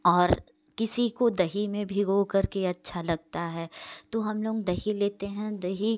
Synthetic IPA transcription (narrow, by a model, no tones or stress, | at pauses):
ɔːɾ | kɪsikod̪ɐɦimẽbʱiɡoːkɐɾkeɐtːʃʰalɐɡ̚t̪aɦɛːt̪oɦɐmloːɡd̪ɐɦileːt̪eɦɛ̃d̪ɐɦi